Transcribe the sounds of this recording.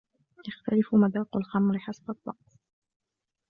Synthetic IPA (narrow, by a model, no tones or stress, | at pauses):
jaxt̪alɪfʊmad̪aːqʊlxamɾɪħasbad̪ˤːɑ̰q̚